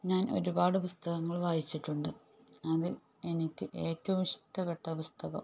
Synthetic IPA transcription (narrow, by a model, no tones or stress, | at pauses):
ɲaːnʔo̞̰ɾubaːɽɨpust̪ɐɣɐŋːɐɭʋaːjit͡ɕːiʈːuɳɖɨ | ɐðɨ | e̞nikʲːɨʔe̞ːtːɐʋumʂʈɐpːeʈːɐpust̪ɐɣɐ̰m